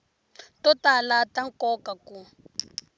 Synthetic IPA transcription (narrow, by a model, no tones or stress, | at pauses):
tɔtalataŋkɔkaku